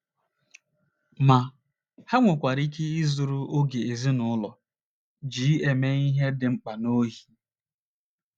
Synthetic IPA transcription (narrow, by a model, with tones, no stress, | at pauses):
ma˨ | ha˦ŋʷʊ˨kʷa˨ɾi˦ke˦i˦zʊ˨ɾu˦o˦ɡe˨e˨zi˦nʊ˨˦lɔ˨ | d͡ʒiː˨˦e˨me˦i˦ɦe˦dɪ˨ŋ͡m̩˦k͡pa˨no˦ɦi˨